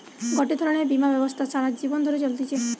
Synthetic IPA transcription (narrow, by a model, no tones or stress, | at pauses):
ɡɔʈid̪ʱɔɾɔɽ̃ebimabjɔbɔst̪ʰasaɾakd͡ʒibɔnd̪ʱɔɾet͡ʃɔlt̪it͡ʃʰe